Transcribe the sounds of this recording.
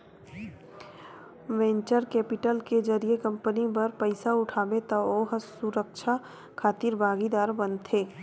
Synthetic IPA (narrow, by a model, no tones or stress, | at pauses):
ʋɛ̃ːɲt͡ʃəɾkɛːpɪʈəlked͡ʒəɾiekə̃mpənibəɾpəɪsaʊʈʰaːbet̪aoːɦsuɾəkʃʰa | kʰaːt̪iːɾbʱaːɡid̪aːɾbənt̪ʰeː